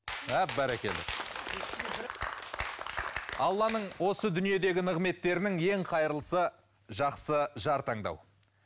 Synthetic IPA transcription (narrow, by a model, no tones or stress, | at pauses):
æpbæɾækʲe̞̰lɪ̰k | ɑlˠːɑnəɴwo̞səd̪ʏnije̞d̪e̞ɡʲɪnəʁme̞t̪ːe̞ɾɪnɪŋe̞ŋqʰɑjəɾəlˠəsə | ʒɑqsəʒɑɾt̪ɑɴd̪ɑ̰w